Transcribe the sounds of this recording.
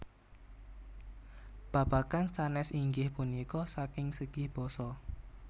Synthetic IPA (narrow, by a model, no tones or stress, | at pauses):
b̥a̤b̥a̤kansanɛsiŋɡɪhpunikɔsakɪŋsəɡ̥ɪhb̥ɔsɔ